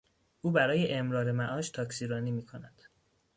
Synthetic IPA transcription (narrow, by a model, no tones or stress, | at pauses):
ʔuːbæɾɒːje̞ʔemɾɒːɾe̞mæʔɒːʃt̪ʰɒːksiːɾɒːniːmiːkʰo̞næd̪̥